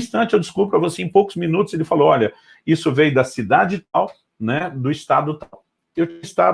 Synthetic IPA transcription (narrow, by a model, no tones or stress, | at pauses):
st̪ɐ̃t͡ʃɪewd͡ʒɪskupɾʊɐvoseẽj̃powkʊzmĩnut̪ʊz̥elɪfalowɔʎʲɐ | isʊvẽjʊd̪ɐsid̪ad͡ʒɪt̪aw | nɛd̪ʊɪst̪ad̪ʊt̪aw | ewt͡ʃĩɪst̪a